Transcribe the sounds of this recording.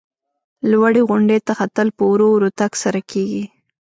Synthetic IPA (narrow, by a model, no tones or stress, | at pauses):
lwaɽeɣʊɳɖet̪axat̪əlpəwɾowɾot̪aksaɾakʰeɡi